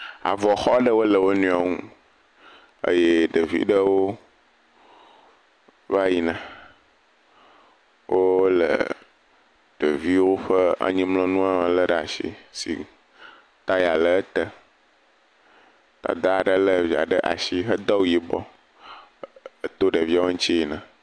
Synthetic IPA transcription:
a̰˨vɔ˨xɔ˦ɖə˦wo˦lə˨wo˦nũ˦ã˨ŋũ˦ | ə̰˦je˦ɖə˨vḭ˦ɖə˦wo˦ | va˦ji˨nã˨ | wʔo˦lə̰˨ | ɖ̥ə˨vi˦wo˦ɸə˦a̰˨ɲĩ˦mlɔ̃˦nũ˦a˦mə˨lə˦ɖə˨a˨ʃḭ˦sḭ˨ | t̪a˦ja˨lə˨ə˦t̪ə˦ | t̪a̰˨d̪a˦˨ɖə˦lə˦vi˨a̰˨ɖə˦ʔa̰˨ʃi˦ɦə˦d̪ɔ˦wu˦ji˨bɔ˦˨ | t̪o˦ɖə˨vi˦a˦wo˦ɲ̩̃˦t͡ɕi˦ji˨nã˨

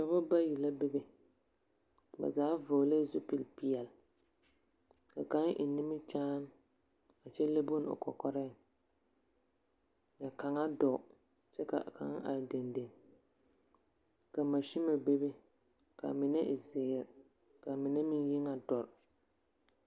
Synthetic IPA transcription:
ka˨ba˦ba˦ji˨la˦be˦be˦ | ba̰˨zaː˨˦vo˨le˦zʊ˦pi˨lpi˨ɛ˨l | ka̰˨ka˦ŋʔɪ̰˨ni˦mɪ˦t͡ʃaː˦n˦ | a˨t͡ʃɛ˦le˦bo˦n˨o̰˨kɔ̰˨kɔ˦ɾɪ˦˨ | ja˨ka˨ŋa˦dɔ˨ | t͡ʃɛ˦ka̰˨ka̰˨ŋ˦a̰˨de˨nde˨n | ka˨ma˨ʃi˦ma˨be˦be˦ | ka̰˨mɪ˨nɛ˦ʔɪ˨zɪ˨ɾ | ka˨mɪ˨nɛ˦mɪ˦nji˦ŋa˨dɔ˨ɾ

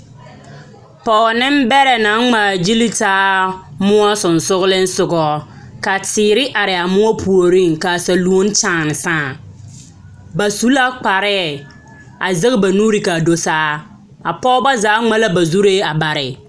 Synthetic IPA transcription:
pɔː˨nɪ˦m˦bɛ˦ɾɛ˨na˨˦nŋ͡ma˨d͡ʒi˦li˦taː˦mʊ˦a˦sʊ˨n˨sʊ˦ɣʊ˦lɪ˦n̩˦sʊ˨ɡɔ˨ | ka˨tɪː˨ɾɪ˦ʔa˨ɾɪ˨a˨mʊ˦ɔ˦pʰu˨o˨ɾi˦˨ŋka˨sa˨lu˨o˦n˦t͡ʃaː˨nɪ˨sãː˦˨ | ba˨su˨˦la˦k͡pa˨ɾɛ˦˨ | a˨zɪ˦ɣɪ˦ba˨nuː˦ɾi˨ka˨do˨saː˦ | a˨pɔ˦ba˦zaː˨˦ŋ͡ma˦la˦ba˨zu˦ɾeː˦a˨ba˨ɾɪ˨

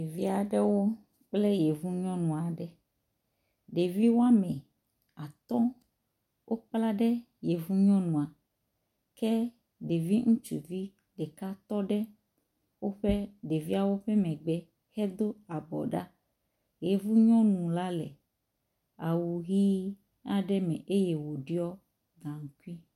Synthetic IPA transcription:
e˨vi˦a˨ɖɛ˦wo˦ | k͡plɛ˦jɛ˨vu˦ɲɔ̃˦nũ˨a˨ɖɛ˦ | ɖe˨vi˦wo˦a˦mɛ̃˨ | a˨t̪ɔ˦ | wʔo˦k͡pla˦ɖɛ˦ | je˨vu˦ɲɔ̃˦nũ˨a˨ | kɛ˦ | ɖe˨vi˦ŋũ˦t͡ʃṵ˨vi˦ | ɖɛ˨ka˦t̪ɔ˦ɖɛ˦ | wo˦ɸɛ˦ɖe˨vi˦a˨wo˦ɸɛ˦mɛ̃˨ɡ͡bɛ˦ | hɛ˦d̪o˦a˨bɔ̰˨ɖa˦ | je˨vu˦ɲɔ̃˦nũ˨la˦lɛ̰˨ | a˨wu˨ɦi˦ | a˦ɖɛ˦mɛ̰̃˨ʔe˦jɛ˨wo˨ɖi˦ɔ˦ | ɡã˨ŋũ˨˦ku˦i˦

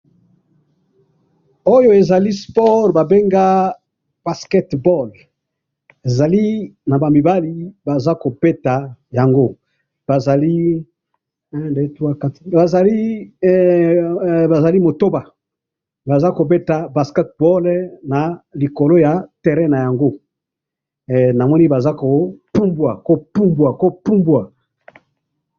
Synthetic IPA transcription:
o˦jo˦e˨za˨li˦spɔ˦ʁba˨be˦ŋɡa˦ | b̥a˨skɛ˦tbɔ˦l | e˨za˨li˦na˨ba˨mi˨ba˦li˨ba˨za˦ko˨be˦ta˨ja˨ŋɡo˦ | b̥a˨za˨li˦ | ɛ˦nde˦tu˦a˦ka˦ti̥˨˦ba˨za˨li˦ | ba˨za˨li˦mo˨to˦ba˨ | ba˨za˦ko˨be˦ta˨ba˨skɛ˦t̚bɔ˦lna˨li˨ko˨lo˦ja˨tɛ˨ʁɛ˦na˨ja˨ŋɡo˦˨ | na˨mɔ˦ni˦ba˨za˦ko˨pu˦mbwa˨ko˦pu˦mbwa˨ko˦pu˦mbwa˨

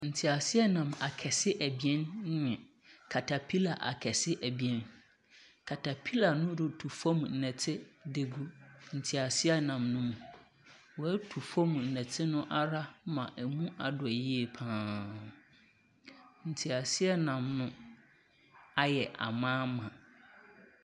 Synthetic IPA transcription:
n̩˨tʰi˨a˨sɪ˦ɛ˦nã˨ma˨kʰɛ˨sɪ˦ʔæ˨bi˨ɛ̃˦n˦ɲɪ̃˨ | kʰa˨tʰa˨pʰi˦la˨ʔa̰˨kʰɛ˨sɪ˦ʔæ˨bi˨ɛ̃˦n | kʰa˨tʰa˨pʰi˦la˨nʊ̃˦dɪ˨tʰu˨fɔ̃˦mn̩˨nɛ̃˨tʰɪ˦de˨ɡu˦n̩˨tʰi˨a˨sɪ˦ɛ˦nã˨mnʊ̃˦m˨ | wɔ˨æ˦tʰu˨fɔ̃˦mn̩˨nɛ̃˨tʰɪ˦nʊ̃˦ʔa˦ɾa˦mã˨ʔæ˨mũ˦a˨dʊ˨ɛ˨ji˦e˨pʰãː˦ | n̩˨tʰi˨a˨sɪ˦ɛ˦nã˨mnʊ̃˦ | a˦jɛ˨ʔa̰˨mãː˦mã˨

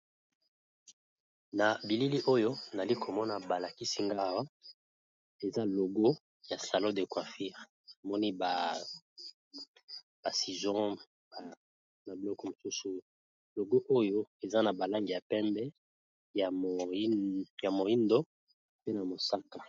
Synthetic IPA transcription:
na˨bi˨li˦li˦ʔo˦jo˦na˨li˦kʰo˨mɔ˦na˨ba˨la˨ki˦si˦ŋɡa˦˨wa˦ | e˨za˦lo˨ɡo˦ | ja˨sa˨lo˦de˨kwa˨fi˦ʁ | a˨mɔ˦ni˦ba˨ | ba˨si˨zɔ̃˦ | ba˨ | na˨bi˨lɔ˦kɔ˨mo˨su˦su˨ | lo˨ɡo˦ʔo˦jo˦e˨za˦na˨ba˨la˦ŋɡi˨ja˨pɛ˦mbɛ˦ | ja˨˦ | ja˨mo˨i˦ndo˦ | pe˦na˨mo˨sa˦ka˨

